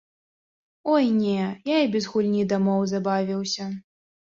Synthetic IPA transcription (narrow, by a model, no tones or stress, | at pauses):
ɔjnʲɛjaibʲɛzɣulʲnʲid̪amɔwzabavʲiwsʲɐ